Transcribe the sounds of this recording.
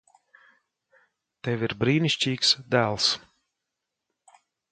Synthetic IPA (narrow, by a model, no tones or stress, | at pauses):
t̪ɛviɾbɾiːniʃʲcʲiːksd̪æːlˠs